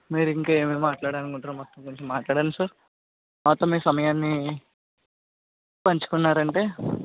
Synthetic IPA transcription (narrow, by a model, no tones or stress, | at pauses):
miːɾuiŋkaːe̞ːmeːmaːʈlaːɽaːnikuɳʈɾɐːmɔt̪ːɐmkoɲt͡ʃemːaːʈlaːɽaːnisaːɾ | mɔt̪ːɐmiːsɐmɐjaːnːi | pɐɲt͡ʃu̥kunːaːɾɐɳʈe̞ː